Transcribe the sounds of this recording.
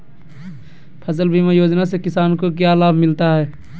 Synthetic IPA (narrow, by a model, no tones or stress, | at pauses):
pʰəs̬əlbʱimẽjoːd͡ʒnasekɪsaːnkok̬jalaːbʱmɪlt̪aɦɛː